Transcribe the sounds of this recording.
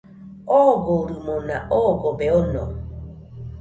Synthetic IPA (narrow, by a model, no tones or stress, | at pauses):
ɔɡɔuɾumɔnaʔɔɡɔbɛɔnɔ̰